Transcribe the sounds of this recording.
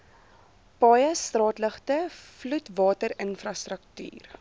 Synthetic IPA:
pɑjəstrɑːtləχtəflutvɑːtəɾənfrɐstrək̚ty̰ːr

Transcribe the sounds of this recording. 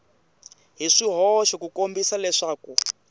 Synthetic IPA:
ɦiʂiɦɔʃɔkukombisalɛʂaːku

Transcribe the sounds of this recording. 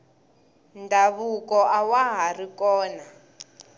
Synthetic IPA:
ndʱaβukɔʔawaɦarikɔːna

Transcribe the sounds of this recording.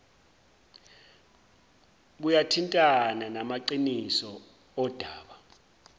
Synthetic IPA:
ɓ̬ujatʰintʼananamaǃinisɔ | ɔd̥ʱaːɓa

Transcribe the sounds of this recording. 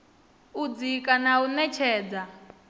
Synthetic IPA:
ud͡zikʼanaunɛt͡ʃʰɛːd͡za

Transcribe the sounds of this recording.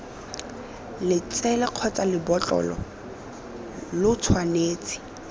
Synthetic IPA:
lɪt͡sɛlɛq͡χʰɔt͡sʼalɪbɔt͡ɬʼɔ̰lɔ̰ | lʊt͡sʰwaneːt͡sʼɪ̥

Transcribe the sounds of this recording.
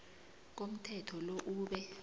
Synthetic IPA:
k̬om̩tʰɛtʰɔloʔuːɓɛ

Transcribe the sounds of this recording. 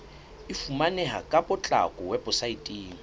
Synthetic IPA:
ɪfumanɛɦakʼapʼʊt͡ɬʼa̰kʼʊwɛpʼʊsaitʼiːŋ̩

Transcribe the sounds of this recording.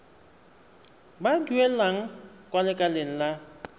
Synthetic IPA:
baduelaŋ̩ | kʼwalɪkʼaleŋ̩la

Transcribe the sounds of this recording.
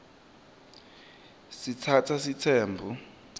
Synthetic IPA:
sitʰatʰasitʰɛːmbʱu

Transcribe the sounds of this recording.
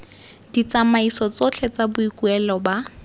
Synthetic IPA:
d̥it͡samaisɔt͡sɔt͡ɬʰɛt͡sabʊikuɛlɔba

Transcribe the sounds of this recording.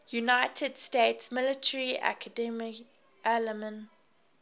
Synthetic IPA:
junaɪtʰədsteɪtsmɪlɪtʰəɹiʔa̰kʰədɛmɪk | ɛləmə̃n

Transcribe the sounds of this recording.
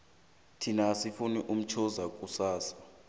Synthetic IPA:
tʰinasifuniʔum̩t͡ʃʰɔzak̬ʼusaːsḁ

